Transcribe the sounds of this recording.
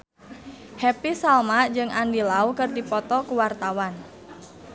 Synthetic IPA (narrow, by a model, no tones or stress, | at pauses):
hɛpisalmaʔd͡ʒɨŋʔandilaukərdipɔt̪ɔkuwart̪awan